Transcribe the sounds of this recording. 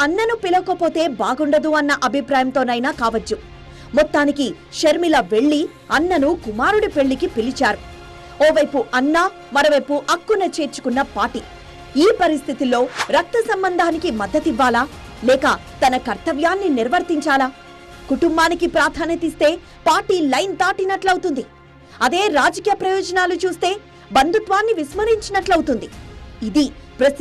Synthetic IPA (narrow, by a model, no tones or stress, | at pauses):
ɐnːɐnupilɐkopo̞ːt̪e̞ːbaːɡuɳɖɐd̪uɐnːɐʔɐbʱipɾaːjɐmt̪o̞ːnɐjnaːkaːʋɐt͡ʃːu | mɔt̪ːaːniki | ʃɐɾmilɐʋe̞ɭːi | ɐnːɐnukumaːɾuɽipe̞ɭːikipilit͡ʃaːɾu | ɔːʋɐjpuʔɐnːaː | mɐɾoʋɐjpuʔɐkːunɐt͡ʃe̞ːɾt͡ʃu̥kunːɐpaːɾʈi | iːpɐɾist̪ʰit̪ilːo̞ːɾɐk̚t̪ɐsɐmbɐnd̪ʱaːnikimɐd̪ːɐt̪iʋːaːlaː | lɛːkɐ̰t̪ɐnɐkɐɾt̪ɐʋjaːnːiniɾʋɐɾt̪iɲt͡ʃaːlaː | kuʈumbaːnikipɾaːt̪ʰaːnɐt̪iːst̪e̞ː | paːɾʈiːlɐjnt̪aːʈinɐʈlɐwut̪und̪i | ɐd̪e̞ːɾaːd͡ʒɐkiːjɐpɾɐjɔːd͡ʒɐnaːlut͡ʃuːst̪e̞ː | bɐnd̪ʱut̪ʋaːnːiʋismɐɾiɲt͡ʃinɐʈlɐwut̪und̪iid̪ipɾɐ